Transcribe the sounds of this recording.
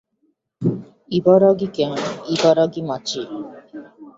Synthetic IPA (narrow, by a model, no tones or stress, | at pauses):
ibɔɾɔɡikɛnibɔɾɔɡimat͡ʃi